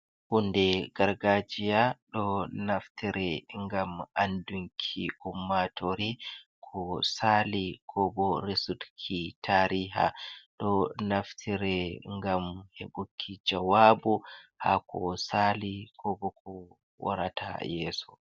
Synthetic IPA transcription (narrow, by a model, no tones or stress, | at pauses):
hundɛɡaɾɡad͡ʒijaɗɔnaftʰiɾɛŋɡamanduŋkʰiʔumːatʰoɾikʰɔsalikʰɔbɔɾesudkʰitʰaɾiɦa̰ɗɔnaftʰiɾɛŋɡamheɓukʰːid͡ʒawabuha̰kʰɔsalikʰɔbɔkɔ | wa̰ɾa̰tʰa̰jɛːsɔ̥